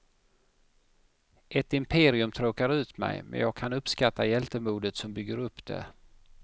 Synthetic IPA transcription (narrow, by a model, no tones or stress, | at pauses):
ʔɛt̪ɪmpʰeːɾɪɵmt̪ʰɾoːkaɾʉ̟ːt̪mɛ̰jmɛ̰njɑːɡ̚kʰanɵpskat̪ːajɛlt̪əmuːd̪ət̪sɔmbʏɡːəɾɵpːd̪ɛ̰